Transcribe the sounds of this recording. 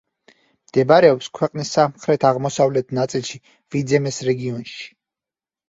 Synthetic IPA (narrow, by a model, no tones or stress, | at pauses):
md̪̥ɛbaɾɛɔpskʰwɛqʼnisːamχɾɛt̪ʰaʁmɔsavlɛt̪ʰnat̪sʼilˠʃi | vid̪zɛmɛsɾɛɡiɔnʃi̥